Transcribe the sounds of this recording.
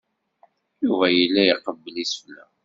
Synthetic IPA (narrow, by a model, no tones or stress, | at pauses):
juvæjəlːæjiqəbːəlisflæ